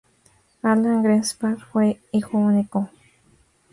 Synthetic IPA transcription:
alaŋɡɾespaɾxweixoniko

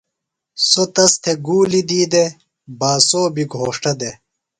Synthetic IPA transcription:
sot̪ɐst̪ʰeɡuːlid̪iːd̪e | baːsoːbiɡʱoːʂʈɐd̪e

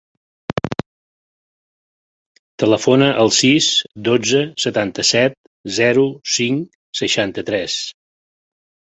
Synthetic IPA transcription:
t̪ələfonəʔəlˠsisd̪od͡zəsət̪ant̪əsɛt̪̚ | zɛɾusiŋ | səʃant̪ət̪ɾɛs

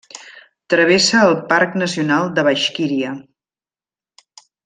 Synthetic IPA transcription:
t̪ɾəβ̞esəːlˠpaɾknəsiunalˠd̪əβəʃkiɾiə

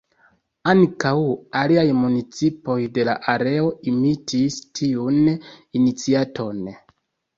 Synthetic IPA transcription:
aŋkawaliajmunit͡sipo̞jde̞la̰ʔaɾe̞o̞imitʰistʰiuninit͡siatʰo̞n

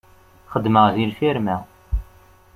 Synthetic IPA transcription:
χəd̪ːməʁðilfiɾmæ

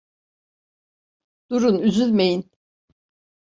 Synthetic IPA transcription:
d̪̥uɾunyzylʲmejin

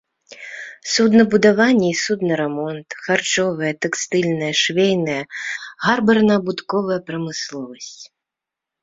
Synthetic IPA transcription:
sud̪nɐbud̪avanʲːɛisud̪nɐɾɛmɔnt̪xart͡ʂɔvɨjɛt̪ɛkst̪ɨlʲnɐjɛʂvʲejnɐjɐɣarbɐrnɐːbut̪kɔvɐjɐpɾɐmɨslˠɔvɐsʲt͡sʲ

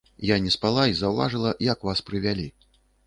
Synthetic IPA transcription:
janʲɛspalˠaizɐwva̰ʐɨlˠɐjakvaspɾɨvʲalʲi

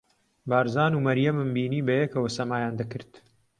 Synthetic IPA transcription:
baːɾzaːnuːmɐɾjɐmɨmbiːniːbɐjɛkɐwɐsɐmaːjaːnd̪ɐkɨɾt̪

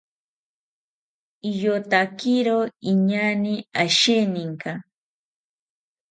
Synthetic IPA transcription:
ijot̪akiɾoiɲaniaʃeniŋka

